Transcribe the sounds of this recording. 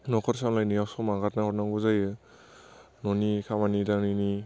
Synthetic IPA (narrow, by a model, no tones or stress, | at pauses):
nɔkʰɔɾsamlajniawsɔmaɡatnaɔɾnaŋɡuzajɯ | nɔnikʰamanidanini